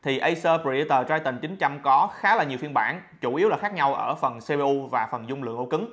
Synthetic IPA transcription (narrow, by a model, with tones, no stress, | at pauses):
t̪ʰi˨˩ʔə˧jsəː˧pi˧˩˧t̪əː˨˩t͡ɕaː˧jt̪ï˨˩ŋ̟t͡ɕï˨˦ŋ̟t͡ɕa˧mkɔ˨˦xaː˨˦laː˨˩ɲi˨˩əwfi˧ənɓaː˧˩nt͡ɕu˧˩ʔi˨˦əwlaː˨˩xaː˦˥k̚ɲa˧wʔəː˧˩fə˨˩nse˧ɓe˧ʔu˧vaː˨˩fə˨˩nzʊ˧ŋ͡mlɨ̰˧˨əŋʔo˧˩˦kɨ˨˦ŋ